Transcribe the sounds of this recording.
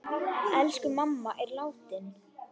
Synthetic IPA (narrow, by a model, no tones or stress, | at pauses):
ɛlskʏmamːaʔɛɾlaːwt̪ɪn